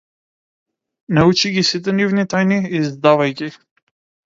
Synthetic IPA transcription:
naut͡ʃiɡʲisit̪̬ɛnivnit̪ajniizd̪avajkʲi

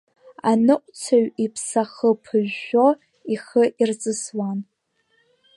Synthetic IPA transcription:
anɨʔʷʼt͡sʰaɥipʰsaχəpʰɨʒːo | iχəʔirt͡sʼɨswan

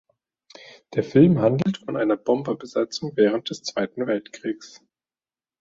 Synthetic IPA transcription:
d̥eːɐfɪlmɦandl̩tfɔnʔaɪnɐbɔmbɐbəzat͡sʊŋvɛːʁ̞ənt̚d̥ɛst͡sv̥aɪtn̩vɛltkʁ̥iːks

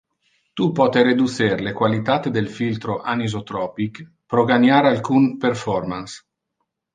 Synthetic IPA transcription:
t̪upɔt̪eɾed̪useɾlekwalit̪at̪ed̪elfilt̪ɾoʔanizot̪ɾɔːpik | pɾoɡanjaɾalkunperfɔrmans

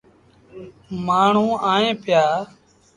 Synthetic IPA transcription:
maːɳ̤ũːaːẽːpɪjaː

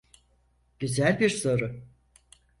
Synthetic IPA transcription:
ɟ̥yzælʲbiɾso̞ɾʊ

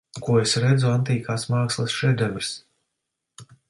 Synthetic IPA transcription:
kuɔesɾɛd̪zuant̪iːkaːsmaːkslˠɨsʃɛd̪ɛmɾs

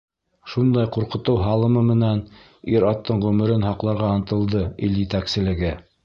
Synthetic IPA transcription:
ʃund̪ɑjqŭɾqɤ̆t̪ɤwɦɑlˠɤ̆mɤmɘ̆næn | iɾɑt̪ːɤɴʁʉmɘ̆ɾɘnhɑqlˠɑɾʁɑːnt̪ɤ̆lˠd̪ɤiljɘ̆t̪æksɘ̆lɘ̆ɡɘ

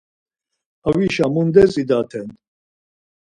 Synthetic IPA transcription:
aviʃamund̪ɛzid̪at̪ʰɛn

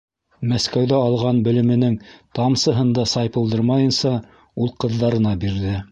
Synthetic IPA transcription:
mæskæwðæɑlˠʁɑnbɘ̆lɘ̆mɘ̆nɘŋt̪ɑmsɤ̆ɦɤ̆nd̪ɑsɑjpɤ̆lˠd̪ɤɾmɑjɤ̆nsɑ | ulˠqɤ̆ðːɑɾɤ̆nɑbiɾðɘ

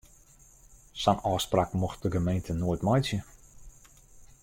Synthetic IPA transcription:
sɔnɔːsprakmoxt̚dəɡəmejntʰənoəjtmɔjsjə

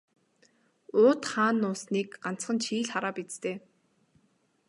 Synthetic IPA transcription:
ʊːt̪χaːnːʊːsniːkɢan̥t͡sχə̆nt͡ɕʰiːɮχaɾaːpit͡st̪eː

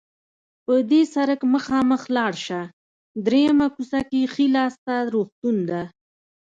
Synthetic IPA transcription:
pəd̪esaɾəkməxɑməxlɑɽʃa | d̪ɾejamakusakexilɑst̪aɾoxt̪und̪a

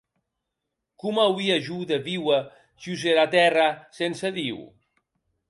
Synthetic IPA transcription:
kumawiaʒuðəβiwa | ʒuzeɾat̪ɛrasensəðiw

